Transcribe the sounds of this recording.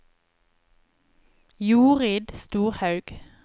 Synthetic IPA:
juːʁɪd̪st̪uːʁhɑʉɡ̥

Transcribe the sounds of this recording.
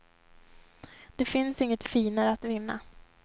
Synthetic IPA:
d̪̥ɛfɪnsɪŋːət̪fiːnaɾəat̪vɪnːa̰

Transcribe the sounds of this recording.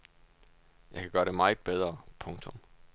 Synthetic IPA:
jɑ̈ɪkʰæɡ̥ɶːɐɾe̝mɑ̈ɪð̥̩ˠb̥eð̞ˠʁɐpʰɔ̽ŋt͡sʰɔ̽m

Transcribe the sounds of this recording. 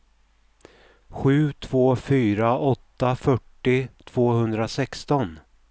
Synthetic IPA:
ɧʉ̟ːt̪ʰv̥oːfyːɾaʔɔt̪ːafœʈːɪt̪ʰv̥oːhɵnd̪ɾasɛkst̪ɔn

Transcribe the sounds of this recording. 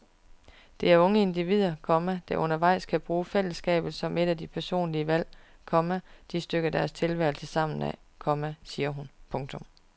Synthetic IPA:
d̥e̝æɐɔ̽ŋəe̝nd̥iʋið̞̰ˠɐkʰɒ̽mæd̥ɑʔɔ̽nɐʋɑ̈ɪ̰skʰæb̥ʁuːfel̰əsɡ̥ɛ̰ːb̥ð̩ˠsɒ̽me̝ɾ̥æd̥ipʰæɐso̝̰ːnliəʋæl̰kʰɒ̽mæd̥isd̥øɡ̥ɐd̥æɐst͡sʰe̝lʋæɐɪl̩səsɑ̈m̰n̩æ̰ | kʰɒ̽mæsiːɐɦunpʰɔ̽ŋt͡sʰɔ̽m

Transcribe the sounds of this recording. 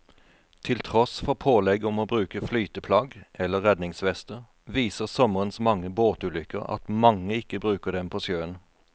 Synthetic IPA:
t̪ʰɪlt̪ʰʁɔsfɔʁpʰoːlɛɡɔmoːbʁʉːkəflyːt̪əpʰlɑːɡʔɛlːəʁɛd̪nɪŋsʋɛst̪əʁ | ʋiːsəʁsɔməʁənsmɑŋːəboːt̪ʉːlʏkə̰ʁɑ̰t̪mɑŋəɪkːəbʁʉːkəʁd̪ɛmpʰoːsjøːən

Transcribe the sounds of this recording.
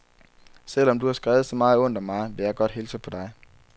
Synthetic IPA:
sel̰ɒ̽md̥uhɑ̈sɡ̥ʁɛːʊð̩ˠsɒ̽mɑ̈ːð̩ˠɔ̽n̰d̥ɒmɑ̈ɪʋe̝jɑ̈ɪɡ̥ɒ̽d̥he̝ːlt͡sʰepʰɒ̽d̥ɑ̈ɪ

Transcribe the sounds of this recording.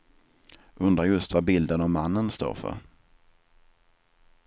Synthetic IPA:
ʔɵnd̪ɾajɵst̪vabɪld̪ənɔmːanːənst̪o̰ːɾfœ̰ɾ

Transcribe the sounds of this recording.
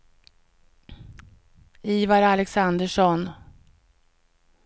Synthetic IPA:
iːvaɾalɛksand̪əʂɔn

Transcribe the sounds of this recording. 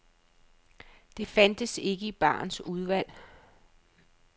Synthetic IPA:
d̥e̝fænd̥əse̝ɡ̥əib̥ɑ̰̈ːnsuð̞ˠʋæl̰

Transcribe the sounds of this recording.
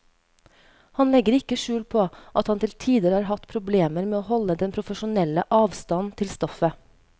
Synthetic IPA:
hɑnlɛɡəɾɪkəʃʉːlpʰoːʔɑt̪hɑnt̪ʰɪlt̪ʰiːd̪əɾəhɑːɾɦɑt̪pʰɾʊbleːməɾmeːoːhɔləd̪ɛnpʰɾʊfəʃʊnɛləʔɑːʋst̪ɑnnt̪ʰɪlst̪ɔfə

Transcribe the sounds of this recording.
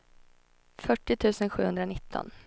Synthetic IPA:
fœʈːɪt̪ʰʉ̟ːsənɧʉ̟ːhɵnd̪ɾanɪt̪ʰːɔ̰n

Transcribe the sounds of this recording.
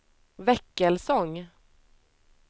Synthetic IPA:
vɛkːɛlsɔŋ

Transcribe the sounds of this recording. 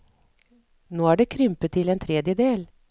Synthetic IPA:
noːæːɖeːkʰɾʏmpət̪ʰɪleːnt̪ʰɾeːd̪jəd̪eːl

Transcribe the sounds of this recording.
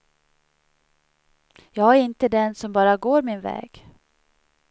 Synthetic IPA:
jɑːɡæɾɪnt̪əd̪ɛnsɔmbɑːɾaɡoːɾmɪnvɛ̰ːɡ̥

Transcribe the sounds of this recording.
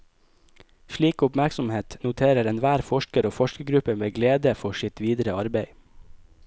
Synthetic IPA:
ʃliːkʊpmæɾksɔmheːt̪nʊt̪ʰeːɾəɾɛnʋæːɾfɔʃkəɾoːfɔʃkəɡɾʉpəmeːɡleːd̪əfɔʃɪt̪ʋiːd̪ɾəɑɾbeɪ

